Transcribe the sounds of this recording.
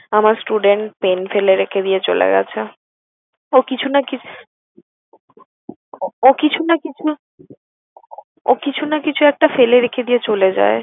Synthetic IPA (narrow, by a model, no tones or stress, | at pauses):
amaɾsʈuɖeɳʈ̚penfeleɾekʰed̪ijet͡ɕolḛɡɛ̰t͡ɕʰe | okit͡ɕʰunaki | okit͡ɕʰunakit͡ɕʰu | o̰kit͡ɕʰunakit͡ɕʰuɛk̚ʈafeleɾekʰed̪ijet͡ɕoled͡ʑa̰e